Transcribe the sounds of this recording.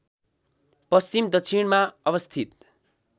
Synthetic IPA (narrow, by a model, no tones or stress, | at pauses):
pʌst͡simd̪ʌksʰinmaʌβʌst̪ʰit̪̚